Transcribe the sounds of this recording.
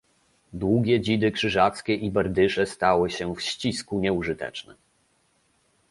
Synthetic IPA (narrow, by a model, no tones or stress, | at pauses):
d̪wuɡʲɛd͡ʑid̪ɘkʂɘʐat̪skʲɛʔibɛɾd̪ɘʂɛst̪awɘɕɛfɕt͡ɕiskuɲɛuʐɘt̪ɛ̰t͡ʂnɛ